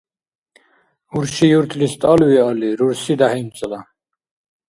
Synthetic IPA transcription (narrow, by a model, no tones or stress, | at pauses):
uɾʃijuɾt̪ʰlist̪ʼalwialiɾuɾsid̪ahimt͡sʼla